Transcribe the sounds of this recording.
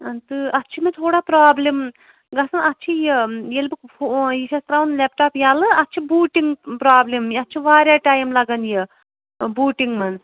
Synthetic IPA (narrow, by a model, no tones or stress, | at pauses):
ɐnt̪ɨɐtːt͡ʃʰimet̪ʰoːɽaːpɾaːblim | ɡɐsɐnɐtːt͡ʃʰijɐjelbɨkfojiʃɐst̪ɾaːwunlʲep̚ʈaːpjaːlɨɐtːt͡ʃʰibuːʈiŋɡpɾaːblemjɐtːt͡ʃʰiʋaːɾjaːʈaːjimlɐɡɐnjɐ | buːʈiŋɡmɐn